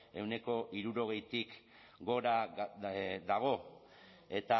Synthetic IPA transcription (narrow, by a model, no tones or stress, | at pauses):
e̞wne̞ko̞ʔiɾuɾo̞ɣ̞e̞jt̪ik | ɡo̞ɾa | d̪aɣ̞o̞ | e̞t̪a